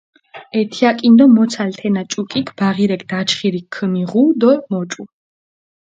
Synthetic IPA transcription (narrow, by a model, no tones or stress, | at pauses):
ɛt̪ʰiakʼind̪ɔmɔt̪sʰalt̪ʰɛnat͡ʃʼukʼikʰb̥aʁiɾɛkʰd̪̥at͡ʃχiɾikʰːəmiʁud̪ɔmɔt͡ʃʼu